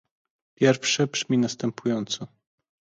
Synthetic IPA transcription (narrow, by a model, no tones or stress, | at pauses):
pʲjɛɾfʂɛbʐ̥mʲinast̪ɛmpʰujɔnt̪sɔ